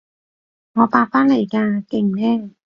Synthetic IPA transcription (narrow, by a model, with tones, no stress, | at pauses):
ŋɔː˨˧paː˧faː˥nle˨˩jkaː˧kɪ˨˩ŋnɛː˥